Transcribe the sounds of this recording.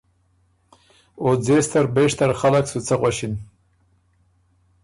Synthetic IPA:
od͡zest̪aɾbeʂt̪aɾχalaksut͡sʰaʁwaɕin

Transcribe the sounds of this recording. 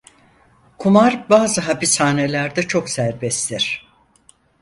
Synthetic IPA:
kʰumaɾbaːzɯɦapishaːne̞lʲæɾd̪ɛt͡ʃʰo̞ksæɾbɛst̪ʰiɾ̥

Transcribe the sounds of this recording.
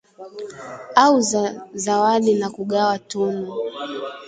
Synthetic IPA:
auzawaɗinakuɠawatunu

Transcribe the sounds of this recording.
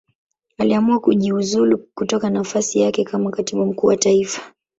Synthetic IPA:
aliamuakuʄiuzulukutɔkanafasijakɛkamakatiɓum̩kuːwataifḁ

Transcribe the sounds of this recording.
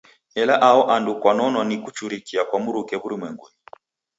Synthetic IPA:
ɛlaʔaɔʔandukwanɔnɔnikut͡ʃuɾikiakwamuɾukɛβuɾimwɛŋɡuɲ

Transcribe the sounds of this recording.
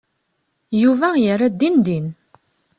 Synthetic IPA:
juvæjərːæd̪ːind̪in

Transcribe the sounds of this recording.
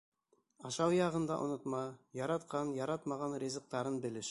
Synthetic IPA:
ɑʃɑwjɑʁə̆nd̪ɑʔo̰nɤt̪mɑjɑɾɑt̪qʰɑnjɑɾɑt̪mɑʁɑnɾʲezə̆q̚t̪ɑɾənbɘ̆lɪʃ

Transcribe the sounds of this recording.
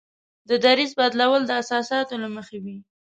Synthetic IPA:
d̪əd̪aɾizbɑd̪lawəld̪əasɑsɑt̪olaməxewi

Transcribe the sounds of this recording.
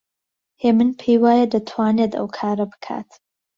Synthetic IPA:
heːmɨnpʰeːjwaːjɐd̪ɐt̪ʰwaːneːd̪ɐ̰wkʰaːɾɐbɨ̥kʰa̰ːt̪

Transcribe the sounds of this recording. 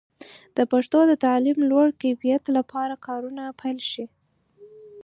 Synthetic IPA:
d̪̥əpaʂt̪od̪ət̪alimlwaɽkajfijat̪lapʰɑɾakʰɑɾunapʰajlʃi

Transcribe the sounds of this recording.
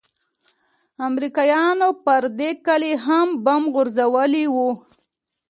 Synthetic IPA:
amɾikɑjɑnopəɾd̪ekəleɦambamɣʊɾzawəliwu

